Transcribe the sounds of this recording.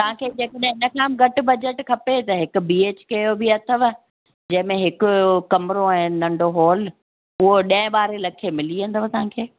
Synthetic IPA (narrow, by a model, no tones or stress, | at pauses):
t̪ɐʋ̤ãkʰeːd͡ʑeːkəɗɦɪ̃ɪnə̆kʰãːmɡɐʈbɐd͡ʑeʈkʰɐpet̪ɐɦɪkʊ̆biːeːt͡ɕkɐjobʱiɐt̪ʰəʋ | d͡ʑɐ̃ɦɪ̃mẽɦɪkʊ̆kɐmɾõɛ̃nɐ̃ɳɖoɦɔːl | ʊɦoɗɐ̃ɪ̃ɓaːɾelɐkʰemɪliə̃nd̪əʋt̪ɐʋãːkʰeː